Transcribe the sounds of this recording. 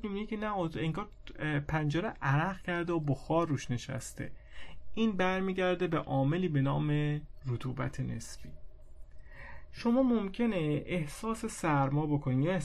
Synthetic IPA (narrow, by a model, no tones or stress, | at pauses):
mebinicʰenæot̪eŋɡɒːɾ | pʰænd͡ʒeɾeʔæɾæɣcʰæɾd̪eoboxɒːɾːuːʃne̞ʃæ̰st̪ḛʔiːnbæɾmiːɟæɾd̪e̞be̞ʔɒːme̞liːbe̞nɒːme̞rot̪ʰuːbæ̰t̪ʰe̞ne̞̰sfḭː | ʃo̞mɒːmomcʰe̞neehsɒːse̞sæɾmɒːbokʰo̞nije